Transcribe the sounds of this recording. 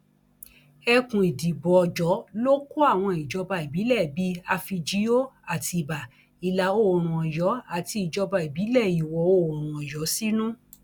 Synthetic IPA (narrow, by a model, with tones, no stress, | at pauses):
ɛ˧kũ˨i˨di˨bɔ˨d͡ʒɔ˨˦lo˦ko˦a˦˨w̃ɔ̃˧i˨d͡ʒɔ˧ba˧i˨bi˨˦lɛ˦˨bi˨˦a˧fi˧d͡ʒi˦jo˦a˨ti˧˨ba˨ | i˨la˨o˦˨ɾ̃ũ˨ɔ˨jɔ˨˦a˨ti˧i˨d͡ʒɔ˧ba˧i˨bi˨˦lɛ˦˨i˨wɔ˨o˦˨ɔ˨ɾ̃ũ˨ɔ˨jɔ˨˦si˦nũ˦